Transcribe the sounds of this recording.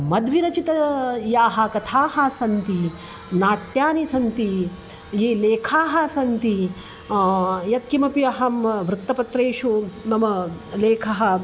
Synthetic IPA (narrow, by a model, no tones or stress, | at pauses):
mɐd̪ʋiɾɐt͡ʃit̪ɐjaːɦɐkɐt̪ʰaːɦɐsɐnt̪i | naːʈjaːnisɐnt̪i | jeːleːkʰaːɦɐ̆sɐnt̪i | jɐt̪̚kimɐpijɐɦɐmʋɾut̪ːɐpɐt̪ɾeːʃunɐmɐleːkʰɐɦɐ̆